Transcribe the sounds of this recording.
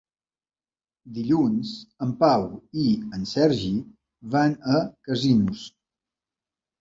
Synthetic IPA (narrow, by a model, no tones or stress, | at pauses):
d̪iʎunzəmpawiənsɛɾʒi | βanəkəzinus